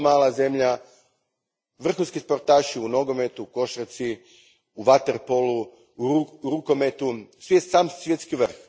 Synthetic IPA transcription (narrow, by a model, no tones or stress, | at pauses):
maːlˠaze̞mʎa | ʋr̩xunskispo̞ɾt̪aːʃiuno̞ɡo̞me̞t̪uko̞ʃɾet̪si | uʋat̪eɾpolu | uɾukomet̪usʋjessaːmsʋjet̪skiʋr̩x